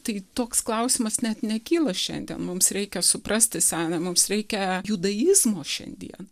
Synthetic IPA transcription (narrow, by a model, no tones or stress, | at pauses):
t̪ɐɪt̪oːksklˠɐʊsʲɪmɐsnʲɛt̪nʲɛkʲiːlˠɐʃʲɛ̰nʲd̪ʲiɛnmʊmsɾʲɛɪkʲɛsʊpɾɐsʲt̪ʲɪsʲæːnɐmʊmsɾʲɛɪkʲɛjʊd̪ɐjɪzmoːʃʲɛ̰nʲd̪ʲḭɛn